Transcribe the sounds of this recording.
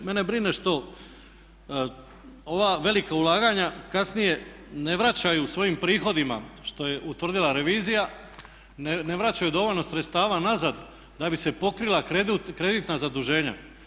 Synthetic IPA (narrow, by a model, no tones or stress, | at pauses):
me̞ne̞bɾine̞ʃt̪o̞ | o̞ʋaːʋe̞likaulˠaːɡaɲakasnije̞ | ne̞ʋɾat͡ɕajusʋo̞jimpɾiːxo̞d̪imaʃt̪o̞je̞ʔut̪ʋr̩d̪ilˠaɾe̞ʋiːzija | ne̞ʋɾat͡ɕajud̪o̞ʋo̞ʎno̞sɾet̪st̪aːʋanazad̪ | d̪abisepo̞kɾilˠakɾed̪ut̪kɾe̞d̪it̪nazad̪uʒe̞ːɲa̰